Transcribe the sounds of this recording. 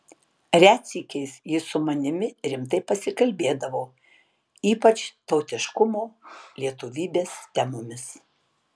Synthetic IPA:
ɾʲæːt̪sʲiːkʲɛɪsjɪsʊmɐnʲɪmʲɪɾʲɪmt̪ɐɪpɐsʲɪkɐlʲbʲeːd̪ɐʋoː | iːpɐt͡ʃt̪ɒʊt̪ʲɪʃkʊmoːlʲiɛt̪ʊʋʲiːbʲeːst̪ʲæmomʲɪs

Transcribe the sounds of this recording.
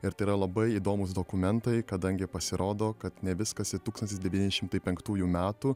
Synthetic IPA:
ɪɾt̪ɐɪiɾɐlˠɐbɐɪiːd̪oːmʊs̬d̪oːkʊmʲɛnt̪ɐɪkɐd̪ɐŋʲɡʲɪpɐsʲɪɾʔoːd̪oːkɐt̪nʲɛʋʲɪskɐsɪt̪uːksɐnt̪ʲɪsd̪ʲɛʋʲiːnʲɛd̪ʲɛʃʲɪmt̪ɐɪpʲɛŋkt̪uːjuːmʲæːt̪uː

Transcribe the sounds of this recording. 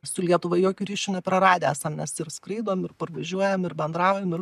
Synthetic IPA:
sʊlʲiɛt̪ʊʋɐjoːkʲuɾʲiːʃʲʊnʲɛpʲɾɐɾɑːd̪ʲeːæsɐmnʲɛsɪrskɾɐɪd̪oːmɪrpɐrʋɐʒʲuɔjɛmɪɾbʲɛnd̪ɾɑːʊjɛmɪr

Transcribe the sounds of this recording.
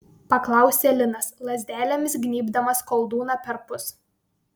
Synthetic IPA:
pɐklˠɑˑʊsʲeːlʲɪnɐslˠɐzʲd̪ʲæːlʲɛmʲɪs̬ɡnʲiːbd̪ɐmɐskɔlˠd̪uːnɑpʲɛɾpʊs

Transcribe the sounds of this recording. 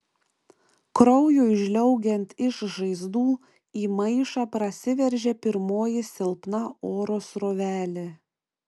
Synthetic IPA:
kɾɔʊjuːɪʒʲlʲɛʊɡʲɛnʲt̪ʲɪʃʒɐɪzd̪uː | iːmɐɪʃɑːpɾɐsʲɪʋʲɛɾʲʒʲɛpʲɪɾmoːjɪsʲɪlˠpnɐoːɾoːsɾoːʋʲæːlʲe

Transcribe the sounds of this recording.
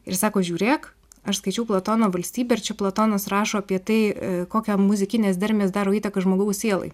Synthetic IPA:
ɪɾsɑːkoːʒʲuːɾʲeːk | ɐʃskɐɪt͡ʃʲɛʊplˠot̪oːnoːʋɐlʲsʲt̪ʲiːbʲeːɪɾt͡ʃʲɛplˠot̪oːnɐsrɑːʃoːɐpʲiɛt̪ɐɪkoːkʲɛmʊzʲɪkʲɪnʲeːsd̪ɐɾʲmʲeːsd̪ɑːɾoːiːt̪ɐkɐʒmoːɡɐʊsʲeːlˠɐ̰ɪ

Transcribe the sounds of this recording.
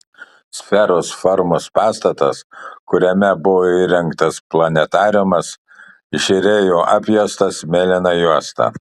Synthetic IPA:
sʲfʲɛɾoːsfɔɾmospɑːst̪ɐt̪ɐskʊɾʲɛmʲɛbʊʋoːiːɾʲɛŋˑkt̪ɐsplˠɐnʲɛt̪ɑːɾʲʊmɐs | ɪʃʲɪɾʲeːjoːʔɑːpʲjuːst̪ɐsmʲeːlʲɪnɐjuɔst̪ɐ̰ː

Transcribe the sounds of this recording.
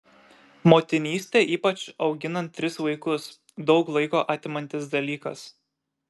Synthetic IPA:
moːt̪ʲɪnʲiːsʲt̪ʲeːʔiːpɐt͡ʃɒʊɡʲɪnɐnt̪ʲːɾʲɪsʋɐɪkʊs | d̪ɒʊklˠɐɪkoːʔɑːt̪ʲɪmɐnʲt̪ʲɪsd̪ɐlʲiːkɐ̰s

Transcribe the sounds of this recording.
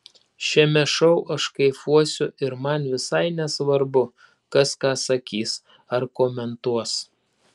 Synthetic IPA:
ʃʲɛmʲɛʃɔʊʔɐʃkɐɪfuɔsʲʊʔɪɾmɐnʋʲɪsɐɪnʲɛsʋɐɾbʊ | kɐskɑːsɐkʲiːs | ɐɾkoːmʲɛnt̪uɔs

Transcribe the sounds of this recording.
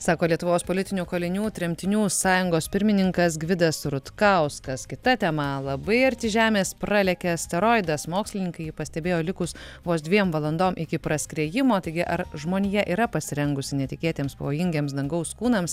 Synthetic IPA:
sɑːkoːlʲiɛt̪ʊʋoːspoːlʲɪt̪ʲɪnʲuːkoːlʲɪnʲuːt̪ʲɾʲɛmʲt̪ʲɪnʲuːsɑːjʊŋɡoːspʲɪɾʲmʲɪnʲɪŋkɐsɡʋʲɪd̪ɐsɾʊt̪kɐʊskɐskʲɪt̪ɐt̪ʲɛmɐlˠɐbɐɪɐɾʲt̪ʲɪʒʲæːmʲeːspɾɑlʲɛkʲɛsʲt̪ʲɛɾoːɪd̪ɐsmoːksʲlʲɪnʲɪŋkɐɪjipɐsʲt̪ʲɛbʲeːjoːlʲɪkʊsʋoːsd̪ʲʋʲiɛmʋɐlˠɐnd̪oːmʔɪkʲɪpɾɐsʲkɾʲɛːjɪmoːt̪ɐɪɡʲɪʔɐɾʒmoːnʲijɛʔiːɾɐpɐsʲɪɾʲɛŋɡʊsʲɪnʲɛt̪ʲɪkʲeːt̪ʲeːmspɐʋoːjɪŋʲɡʲeːmsd̪ɐŋɡɐʊskuːnɐms

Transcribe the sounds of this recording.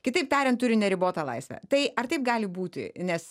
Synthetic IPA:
kʲɪt̪ɐɪp̚t̪ʲæːɾʲɛntt̪ʊɾʲɪnʲɛɾʲɪboːt̪ɐlˠɐ̰ɪsʲʋʲɛ̰t̪ɐɪɐrt̪ɐɪp̚ɡɑːlʲɪbuːt̪ʲɪ̰nʲɛs

